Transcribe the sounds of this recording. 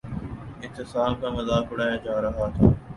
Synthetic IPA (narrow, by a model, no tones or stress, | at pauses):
ɪt̪ːɪsaːmkamɐzaːkʊɽaːjad͡ʒaːɾɐɦat̪ʰaː